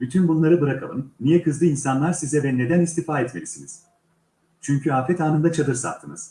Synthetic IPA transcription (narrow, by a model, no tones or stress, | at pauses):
byt̪ʰynbunlˠaɾɯbɯɾakʰa̰lˠɯ̰mnːijɛkʰɯzlɯinsanlˠaɾsizɛvɛne̞d̪ænist̪ʰifaːɛt̪me̞̰lʲisinḭz̥ | t͡ʃʰyɲcyaːfɛt̪aːnɯnd̪at͡ʃʰad̪ɯɾsa̰t̪ʰːɯnɯz̥